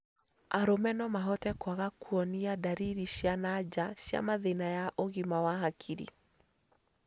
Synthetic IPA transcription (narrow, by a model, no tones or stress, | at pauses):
aɾomɛnɔmaɦɔtɛkwaɣakuɔniadaɾiɾiɕjanad͡ʒaɕja̰maðenajaʔoɣimawaɦakʰiɾḭ